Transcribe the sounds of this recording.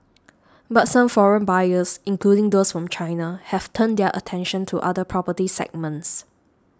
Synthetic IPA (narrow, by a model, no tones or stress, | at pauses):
batsãmfɔɹə̃nbajəsĩnkludɪ̃ŋdosfɹɔ̃mt͡ʃʰãɪnahɛvtʰə̃ndɛʔə̰tʰɛ̃nʃə̃ntʰuʔadəpʰɹɔpətisɛ̰ɡ̚mə̃ns